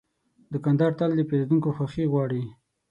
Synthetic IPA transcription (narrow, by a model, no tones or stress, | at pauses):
d̪əkand̪ɑɾt̪ald̪əpeled̪uŋkoxaxiɣwɑɽi